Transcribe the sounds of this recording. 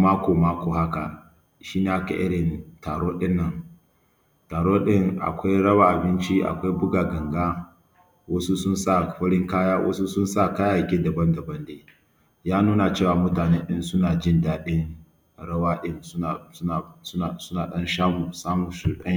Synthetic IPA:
maː˦kʷoː˨maː˦kʷoː˨ha˦ka̰˨ | ʃiː˦neː˨ʔa˦ka̰˨ʔɪ̰˦ɽɪ˨ntaː˨ɽoː˦ɗɪ˦nːɐ˨ŋ | taː˨ɽoː˦ɗɪ˦ŋʔa̰˨kʷa˦jɽɐ˦wa˨ʔa˨bɪ˦nt͡ʃi˦ʔa̰˨kʷa˦jbʊ˦ɡaː˨ɡɐ˨ŋɡaː˦ | wɐ˦su˦sʊ˦nsa˦˨ɸɐ˦ɽɪ˦ŋkaː˦jaː˦wʔɐ̰˦su˦sʊ˦nsa˦˨kaː˦ja˨kʲeː˦dɐ˨bɐ˦ndɐ˨bɐ˦ndeː˦ | jaː˦nuː˦na˨t͡ʃeː˦˨waː˨mʊ˦taː˨ne˦nɗɪ˦nsʊ˦naː˨d͡ʒɪ˦˨ndaː˦ɗɪ˦ŋ | ɽɐ˦waː˦ɗɪ˦nsa˨sʊ˦˨sʊ˦naː˨ɗɐ˦nʃaː˦mu˨saː˦mu˨su˨ɗɐ˦

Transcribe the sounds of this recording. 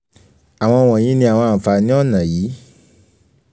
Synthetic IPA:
a˨w̃ɔ̃˧w̃ɔ̃˨j̃ĩ˨˦nĩ˧˦a˨wɔ̃˧a˨fa˨nĩ˦ɔ˦˨nã˨jiː˨˦

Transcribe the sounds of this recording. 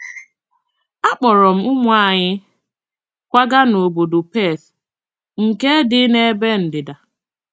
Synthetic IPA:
a˦k͡pɔ˨ɾɔ˨m̩˦ʊ˦mʊ˦a˨ɲɪ˦ | kʷa˦ɡa˦no˨bo˨do˨pe˦˨s | ŋ̩˨ke˦dɪ˦ne˦be˦n̩˨dɪ˨da˨

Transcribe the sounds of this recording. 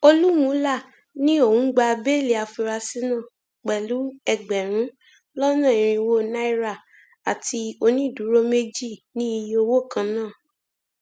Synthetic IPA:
o˧lu˦mũ˨˦la˦˨ | nĩ˦o˦˨ũ˦ɡ͡ba˧be˦˨le˨a˧fi˧ɾa˧si˦nã˦˨ | k͡pɛ˨lu˨˦ɛ˧ɡ͡bɛ˨ɾ̃ũ˨˦ | lɔ˦nã˦˨i˨ɾ̃ĩ˧wo˦na˦i˦ɾa˦˨ | a˨ti˧o˧nĩ˦˨du˨˦ɾo˦me˦d͡ʒi˦˨nĩ˦i˧jo˧wo˦˨kã˧nãː˦˨

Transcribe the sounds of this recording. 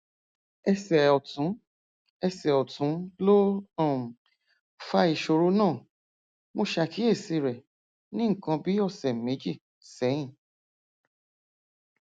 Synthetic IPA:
ɛ˧sɛ˨ɔ˨tũ˨˦ | ɛ˧sɛ˨ɔ˨tũ˨˦lo˦˨ | fa˧˦i˨ʃo˧ɾo˦nãː˦˨ | mo˧ʃa˧ki˨˦e˦˨si˧ɾɛ˨ | nĩ˦ŋ̩˨kã˧bi˨˦ɔ˦˧˨sɛ˨me˨˦d͡ʒi˦˨ | sɛ̃˨˦ĩ˦˨

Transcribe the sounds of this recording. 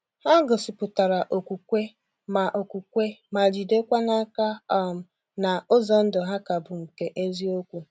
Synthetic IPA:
ha˦ɡʊ˨sɪ˨pʊ˨ta˨ɾa˨ʔo˨kʷu˨kʷe˦ | ma˨ʔo˨kʷu˨kʷe˦ma˨d͡ʒi˨de˦kʷa˦na˦ka˦ɔ˦m̩˨ | na˨ʊ˦zɔ˨n̩˦dʊ˨ɦa˦ka˨bʊ˨ŋ̩˨ke˦ʔe˦zi˦o˦kʷu˨

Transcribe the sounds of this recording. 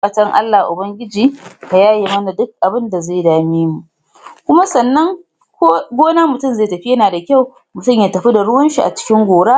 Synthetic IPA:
kɐ˨t͡ʃɐ˦ŋʔa̰˦lːa˨hʔʊ˨bɐ˦ŋɡʲɪ˦d͡ʒiː˨ha˨jaː˦je˨mɐ˦na˨dʊ˦k̚ʔa˨bɪ˦nda˨za˦˨jdaː˦miː˦mu˨ʔ | kʷʊ˦ma˦sɐ˨nːɐ˦ŋ˦ | ɡʷoː˦naː˦mʊ˨tʊ˦mza˦˨jtɐ˨ɸi˦jɐ˦naː˨da˨kʲa˦˨w | mʊ˨tʊ˦˨mjaː˦tɐ˨ɸi˦da˨ɽʊ˦wɐ˦nʃi˨ʔa̰˨t͡ʃɪ̥˦kʲɪ˦ŋɡʷoː˨ɽaː˦

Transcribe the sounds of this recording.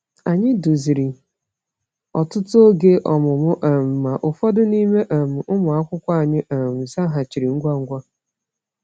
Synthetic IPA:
a˨ɲɪ˦du˨zi˨ɾi˨ | ɔ˨tʊ˦to˦ɡe˦ʔɔ˨mʊ˨mʊ˦ʔa˨m̩˨ma˨ʔʊ˨fɔ˦dʊ˦ni˦me˦ʔa˨m̩˨ʔʊ˦mʊ˨a˦kʷʊ˦kʷa˦a˨ɲɪ˦ʔa˨m̩˨sa˦ɦa˨t͡ʃi˨ɾi˨ŋ̩˦ɡʷa˦ŋ̩˦ɡʷa˦

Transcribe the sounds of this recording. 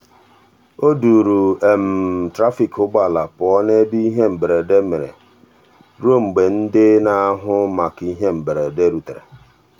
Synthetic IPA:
o˦du˨ɾu˨e˨m̩˨tɾa˦fi˨kʊ˦ɡ͡ba˨la˨pʊ˨ɔ˦ne˦bi˦i˦ɦe˦m̩˨bɾe˨de˦mɪ˨ɾḛ˨ | ɾo˦˨ŋ͡m̩˨ɡ͡be˨n̩˦dɪ˦na˦ɦʊ˦ma˨ki˦ɦe˦m̩˨bɾe˨de˦ɾu˨tɾḛ˨

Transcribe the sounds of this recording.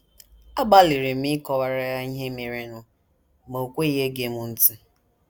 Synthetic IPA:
a˦ba˦li˨ɾɪ˨m̩i˦kɔ˨wa˨ɾa˦ja˦i˦ɦe˦me˨ɾe˦nʊ˨ | mo˨o˨kʷe˦i˦ɦe˦ɡe˦mʊ˨n̩˦ti˦

